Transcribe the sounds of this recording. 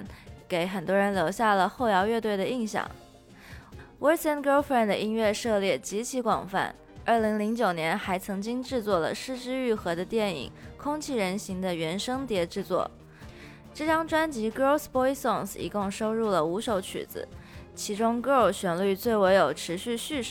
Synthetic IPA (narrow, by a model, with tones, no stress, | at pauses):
nke˧˥ɪxə˨˩nt̪wɔ˥ɻə˧˥nljo˧˥ʊɕja˥˩lə˩xo˥˩ʊjɑ˧˥ʊɥɛ˥˧t̪we˥˩ɪd̪ə˩i˥˧ŋɕjɑ̰˥˩ŋ | wʔɛ˥sɛ˥nkfə˥nd̪ə̰˩˧ʔi˥ŋɥɛ˥˧ʂɤ˥˧ljɛ˥˩t͡ɕi˧˥t͡ɕʰi˧˥kwɑ̰˨˩ŋfa̰˥˩n | ə˞˥˩li˧˥ŋli˧˥ŋt͡ɕjo˨˩ʊnjɛ˧˥nxa˧˥ɪt͡sʰɤ˧˥ŋt͡ɕi˥ŋʈ͡ʂɻ̩˥˧t͡swɔ˥˩lə̰˩ʂɻ̩˥˧ʈ͡ʂɻ̩˥y˥˩xɤ˧˥d̪ə˧t̪jɛ˥˩nḭ˨˩˦ŋkʰʊ˥ŋt͡ɕʰi˥˩ɻə˧˥nɕi˧˥ŋd̪ə˧ɥɛ˧˥nʂɤ˥ŋt̪jɛ˧˥ʈ͡ʂɻ̩˥˧t͡swɔ̰˥˩ | ʈ͡ʂɤ˥˩ʈ͡ʂɑ˥ŋʈ͡ʂwa˥nt͡ɕi˧˥ko˥ʊspɔ˥iso˥˩nsḭ˧˥kʊ˥˩ŋʂo˥ʊɻu˥˩lə˩u˧˥ʂo˧˥ʊt͡ɕʰy̰˨˩d͡z̩̰˧˦t͡ɕʰi˧˥ʈ͡ʂʊ˥ŋkɤ˥o˥˩ʊɕɥɛ˨˥˩nly˥˧t͡swe˥˩ɪwe˧˥ɪjo˨˩ʊʈ͡ʂʰɻ̩˧˥ɕy˥˧ɕy˥˧ʂ